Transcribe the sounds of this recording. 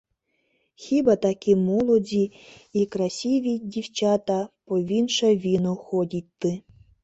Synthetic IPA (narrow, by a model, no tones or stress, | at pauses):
xʲibat̪akʲimɔlˠɔdʲi | ikɾasʲiʋʲidʲiwt͡ʃat̪apɔʋʲinʃɐʋʲinʊxɔdʲit̚ʲt̪ːɨ